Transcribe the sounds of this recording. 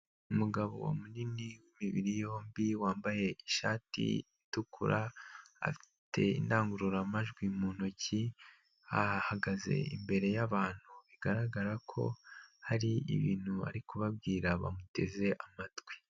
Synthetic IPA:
umuɡaβo̞̰wa̰muniniwimiβiɾijo̞ːmbiwaːmbaje̞iʃa̰ːtḭitukʰṵɾʔaa̰fi̥tʰe̞̰ḭndaːŋɡuɾuɾamaʒɡwimuːnoci | ahaɡaze̞̰imbe̞ɾe̞jaβaːn̥huiɡaɾaɡaɾakʰo̞̰haɾiḭβiːn̥hua̰ɾikuβabɡiːɾaβa̰mute̞ze̞ʔamatwi̥

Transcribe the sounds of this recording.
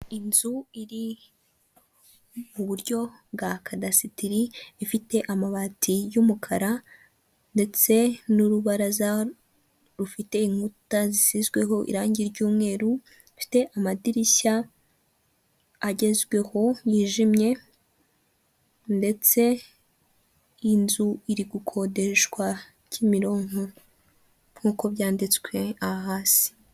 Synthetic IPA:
inzuiɾi | muβuɾɟo̞b̚ɡakʰadasitiɾiifite̞ʔamaβatijumukʰaɾa | nde̞t͡se̞nuɾuβaɾaza | ɾufite̞iŋ̥hutazisizɡwe̞ɦo̞ʔḭɾaːɲɟiɾɟuːmŋe̞ːɾu | fi̥te̞ʔamadiɾiɕa | aɟe̞zɡwe̞ho̞jiːʒimɲe̞ | nde̞t͡se̞ | inzuiɾiɡukʰo̞de̞ʃɡwa | cimiɾo̞ːŋo | mhuːko̞βjaːndit͡skwe̞aɦaːsi̥

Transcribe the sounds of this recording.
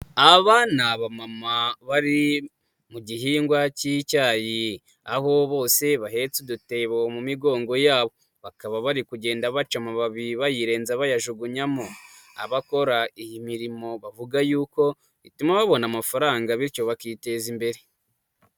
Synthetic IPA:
aβanaβamamaβaɾi | muɟiɦiːŋɡwacicaːji | aɦo̞βo̞ːse̞βaɦe̞t͡sudute̞βomumiɡo̞ːŋɡo̞jaːβo̞ | βakaβaβaɾikuɟe̞ːndaβat͡ʃamaβaβiβajiɾe̞ːnzaβajaʒuɡuɲamo | a̰βako̞ɾaijimiɾimo̞βavuɡajuːko̞ | βḭtumaβaβo̞namafaɾaːŋɡaβiɾco̞βakiːte̞zimbe̞ɾe

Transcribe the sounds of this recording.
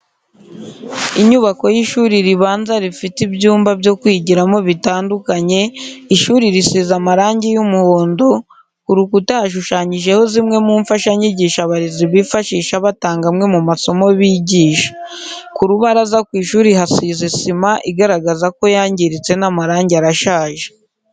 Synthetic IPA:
iɲuβako̞jiʃuːɾiɾiβaːnzaɾifitibjuːmbabjo̞kwiːɟiɾamo̞βitaːndukaɲe̞iʃuːɾiɾisizamaɾaːɲɟijumuho̞ːndo̞ | kuɾukutahaʃ̬uʃaːɲiʒe̞ho̞zimŋe̞muːɱfaʃaɲiɟiːʃaβaɾeziβifaʃiːʃaβataːŋɡamŋe̞mumaso̞mo̞βiɟiːʃḁ | kuɾuβaɾazakwiːʃuːɾiɦasizisimaʔiɡaɾaɡazako̞jaːɲɟiɾit͡se̞namaɾaːɲɟaɾaʃaːʒe

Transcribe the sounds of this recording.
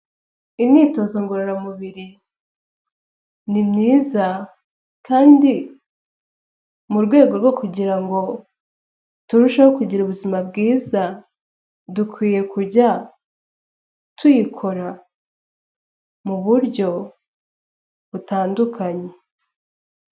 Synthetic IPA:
iniːto̞ːzoŋɡoɾeɾamuβiɾi | nimɲiːza | kʰaːndi | muɾɡwe̞ːɡo̞ɾɡwo̞kuɟiɾaŋɡo̞ | tuɾuʃahokuɟiɾuβuzimab̚ɡiːza | dukwiːje̞kuɾɟa | twikʰo̞ɾa | muβuɾɟo̞ | βutaːndukʰaɲe̞

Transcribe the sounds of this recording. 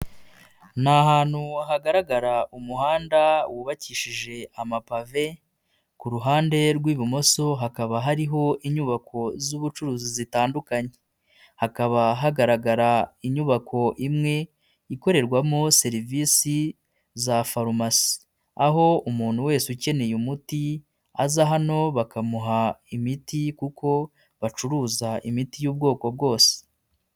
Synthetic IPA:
nahaːn̥huahaɡaɾaɡaɾaumuhaːndawʔuːβaciʃiʒe̞amapave̞ | kuɾuɦaːnde̞ɾɡwiːβumo̞so̞ɦakaβaɦaɾiɦo̞ʔiɲuβakʰo̞zuβut͡ʃuɾuːzizitaːndukaɲe | hakaβaɦaɡaɾaɡaɾaiɲuβakʰo̞ʔimŋe̞ | iko̞ɾe̞ɾɡwamose̞ɾiviːsi | zafaɾumasi̥ | aɦo̞umuːn̥huwe̞ːsuce̞ne̞jumuti | azaɦano̞βakamuɦaimitikukʰo̞ | βat͡ʃuɾuːzaʔimitijuːb̚ɡo̞ːko̞b̚ɡo̞ːse̥

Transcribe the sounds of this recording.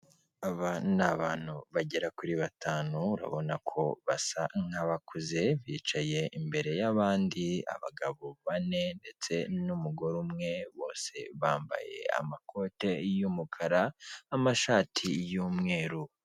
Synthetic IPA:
aβanaβaːn̥huβaɟe̞ɾakuɾiβatʰaːnuuɾa̰βo̞nakʰo̞βasaŋ̥haβakʰuze̞βiːt͡ʃaje̞imbe̞ɾe̞jaβaːndia̰βaɡaβoβane̞nde̞t͡se̞numuɡo̞ɾumŋe̞βo̞̰ːse̞βaːmba̰je̞̰a̰makʰo̞te̞jumukʰaɾaːmaʃaːtʰijuːmŋe̞ːɾu

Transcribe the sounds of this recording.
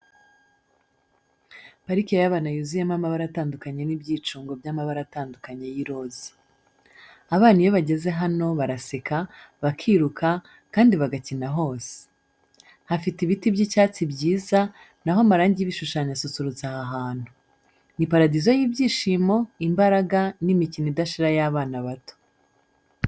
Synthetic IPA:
paɾikiejaβanajuzijamamaβaɾataːndukaɲe̞nibɟiːt͡ʃuːŋɡo̞bjamaβaɾataːndukaɲe̞jiɾo̞zi̥ | aβaːnijo̞βaɟe̞ze̞ɦano̞βaɾasekaβakʰiɾukʰa | kaːndiβaɡacinaɦo̞ːse̥ | hafitiβitibɟicaːt͡sibɟiːza | naɦomaɾaːɲɟiiβiʃuʃaːɲasut͡suɾuzt͡sahaɦaːn̥hu | nipaɾadizojiːbɟiːʃiːmo̞imbaɾaɡanimicinidaʃiɾajaβaːnaβato̥

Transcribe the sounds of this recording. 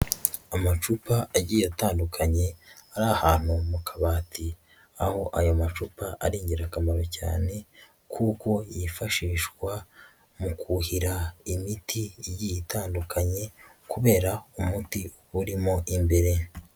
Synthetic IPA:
amat͡ʃupaːɟiːjataːndukʰaɲe̞aɾahaːn̥humukʰaβaːtʰi | aho̞ʔajomat͡ʃupaʔaɾiːɲɟiɾakamaɾoca̰ːne̞ | kʰuːko̞jifaʃiːʃkwa | mukʰuhiɾaimitʰijijitʰaːndukaɲe̞kuβe̞ːɾaumuti | uɾimo̞ʔimbe̞ɾe̞

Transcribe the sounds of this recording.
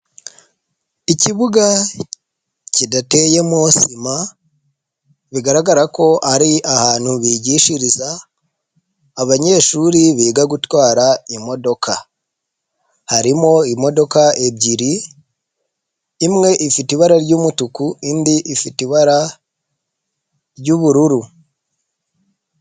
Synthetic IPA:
iciβuɡa | cidate̞je̞mosima | βiɡaɾaɡaɾako̞ʔaɾiʔahaːn̥huβiɟiʃiɾiza | βaɲe̞ːʃuːɾiβiːɡaɡutwaːɾaimo̞do̞kʰa | haɾimo̞imo̞do̞kae̞bɟiɾi | mŋe̞ʔifitiβaɾaɾɟuːmutukuindiʔifitiβaɾa | ɾɟuβuɾuɾu

